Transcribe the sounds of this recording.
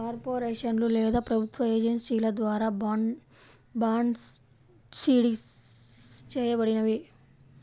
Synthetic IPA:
kaːɾpoːɾeːʂɐnlulɛːd̪aːpɾɐbʱut̪ʋɐeːd͡ʒɐnsiːlɐd̪ʋaːɾaː | baːɳ | siːɽi | t͡ʃɛːjɐbɐɽinɐʋi

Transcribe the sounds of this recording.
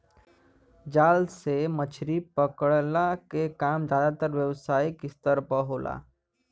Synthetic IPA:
d͡ʒaːlsemət͡ʃʰɾipəkəɽlakekaːmd͡ʒjaːd̪at̪əɾʋjəwsaːjikɪst̪əɾpəɦolʔa̰

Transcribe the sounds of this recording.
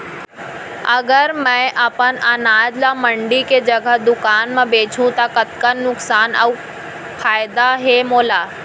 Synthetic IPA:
ɐɡəɾmɛ̃ʔaːpənanaːd͡ʒlaməɳɖiked͡ʒɐɡʱəɦd̪ʊkaːnmãbeːt͡ʃʰũt̪akət̪kənːʊksaːnə̰w | fʰaːɪd̪aɦemoːlaː

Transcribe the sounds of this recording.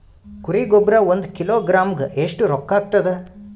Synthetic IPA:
kuɾiɡobɾɐond̪kiloːɡɾaːmɡeʔeʂʈuɾɔkːaːɡ̚t̪ɐd̪e

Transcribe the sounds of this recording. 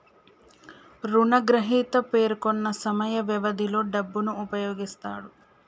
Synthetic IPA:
ɾuɳɐɡɾɐɦiːt̪ɐpe̞ːɾkonːɐsɐmɐjɐʋjɐʋɐd̪ʱilo̞ːɖɐbːunuːpɐjo̞ːɡist̪aːɽu

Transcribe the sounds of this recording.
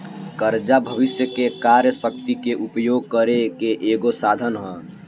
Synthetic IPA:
kəɾd͡ʒabʱəʋɪsjəkekaɾjəsək̚t̪ikeʔupjoɡ̚kəɾekeʔeɡosad̪ʱənɦə̃

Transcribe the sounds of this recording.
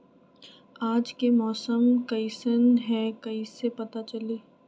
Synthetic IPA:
aːd͡ʒkemɔːsəmkɐisənɦɛ̃kɐisepɐt̪at͡ʃɐleː

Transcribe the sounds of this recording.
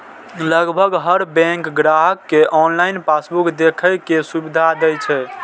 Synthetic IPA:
ləɡbʱəɡɦəɾbɛ̃ŋkɡɾaɦəkːeʔɔnlainpasbukd̪ekʰəjkesubid̪ʱad̪ɛjt͡ʃʰɛ

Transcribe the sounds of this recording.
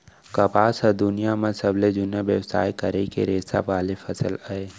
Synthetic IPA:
kɐpaːsəd̪ʊnijamɐ̃səbled͡ʒʊnaʋjəwsa̰ːjkɐɾekḛɾeːsa̰baːlefʰɐsəlaeː

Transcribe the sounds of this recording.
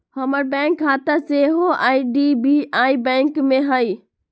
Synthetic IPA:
həməɾbɛ̃ŋkɦaːt̪aseɦoʔaːiɖibiaːibɛ̃ŋkmẽɦai

